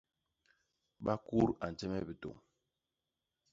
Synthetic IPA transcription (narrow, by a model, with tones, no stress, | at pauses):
ɓa˦ku˦ɾa˨n̩˨tɛ˦mɛ˦bi˨to̰˨ŋ